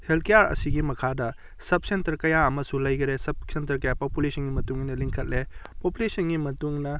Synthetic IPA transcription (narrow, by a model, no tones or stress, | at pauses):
helkejaɾɐ̰siɡimɐkʰadɐ | sɐp̚sentɐɾkɐjaɐmɐsulɐjɡɐɾesɐp̚sentɐɾkɐjapopulesɐnɡimɐtuŋnɐliŋkʰɐt̚le | populesɐnɡimɐtuŋnɐ